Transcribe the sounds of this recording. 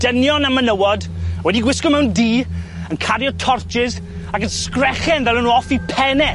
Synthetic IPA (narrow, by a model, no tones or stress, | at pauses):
d̥ənjɔnamənəwɔdwɛdiɡwɪskɔmɛwndiː | ənkʰaɾjɔtʰɔrt͡ʃɪz | akənskrɛχɛnvɛlˠənuɔfipʰɛnɛ